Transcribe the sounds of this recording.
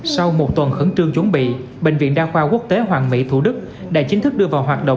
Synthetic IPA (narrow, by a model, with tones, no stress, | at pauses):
sa˧wmo˨˩t̚t̪wə˨˩nxɨ˧˩˦ŋt͡ɕɨ˧əŋt͡ɕʊ˨˦ŋ͡mɓḭ˧˨ | ɓë˧˨ŋ̟vḭ˧ənɗaː˧xwaː˧ku˦˥ək̚t̪e˨˦ɦwaː˨˩ŋmḭ˧˥t̪ʰu˧˩ɗɨ˦˥k̚ | ɗa̰ː˧˥t͡ɕi̟˨˦t̪ʰɨ˦˥k̚ɗɨ˧əvaː˨˩wɦwaː˨˩t̚ɗo̰˧˨